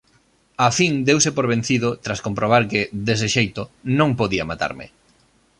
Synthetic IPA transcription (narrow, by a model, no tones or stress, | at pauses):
afiŋd̪ewsɪpoɾβ̞en̟θiðʊt̪ɾaskompɾoβ̞aɾkɪðes̬ɪʃejt̪ʊnõŋpoðiɐmat̪a̰ɾmɪ̰